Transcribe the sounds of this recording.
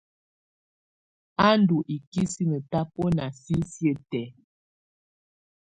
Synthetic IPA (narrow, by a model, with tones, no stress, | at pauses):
a˦n˦du˨ʔi˨ki˦si˦nə˨ta˦pɔ˦na˨si˦sjə˦˨tɛ˨˦